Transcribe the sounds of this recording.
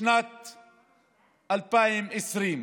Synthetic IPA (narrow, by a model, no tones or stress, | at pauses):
nat̪ | alpajɪmɪsɾiːm